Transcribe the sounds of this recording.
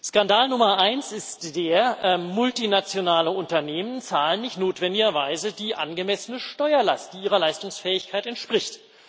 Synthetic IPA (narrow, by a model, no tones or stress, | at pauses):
skandaːlnʊmɐʔaɪnsɪstd̥eːɐʔmʊltinat͡sjonaːləʔʊntɐneːmənt͡saːlənnɪçtnoːtv̥ɛndɪɡɐvaɪzəd̥iːʔa̰nɡəmɛsənəʃtɔʏɐla̰st̚d̥iːʔiːʁɐlaɪstʊŋsfɛːɪçkʰaɪtɛntʃpʁ̥ɪçt